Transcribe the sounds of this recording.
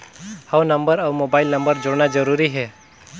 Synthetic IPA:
hawnəmbəɾawmobaɪlnəmbəɾd͡ʒoɽnad͡ʒəɾuɾiɦɛ

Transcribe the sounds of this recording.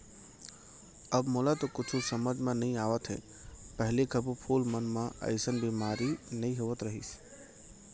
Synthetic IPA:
əbmoːlat̪okʊt͡ʃʰusəməd͡ʒʱmãnɐĩaːʋət̪ɦḛ | pəɦlekʰəbpʰuːlmənmãɐ̰ɪsənbiːmaːɾinəĩɦoʋət̪ɾəɦḭːs

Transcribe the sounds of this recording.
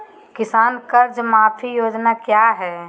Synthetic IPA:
kɪsaːnkɐɾd͡ʒmaːpʰijoːd͡ʒnakjaːɦɛː

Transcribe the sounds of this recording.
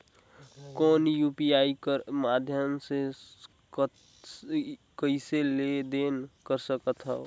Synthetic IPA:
kɔːnjupiaːikəɾmad̪ʱjəmse | kəɪseled̪enkəɾsəkət̪ɦɛo

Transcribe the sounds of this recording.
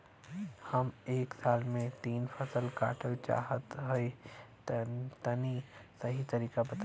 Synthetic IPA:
hɐmeːksaːlmẽt̪iːnfʰɐsəlka̰ːʈʰəlt͡ʃa̰ːɦət̪ɦoi | t̪ɐnisɐɦit̪ɐɾiːkabɐt̪

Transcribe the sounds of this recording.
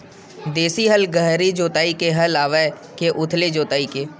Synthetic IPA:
d̪eːsiɦəlɡəɦɾid͡ʒoːt̪aːikeɦəlaːʋe | keʔʊt̪ʰled͡ʒoːt̪aːikeː

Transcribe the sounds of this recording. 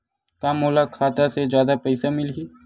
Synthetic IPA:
kaːmoːlakʰaːt̪ased͡ʒjaːd̪apɛɪsamɪlɡiː

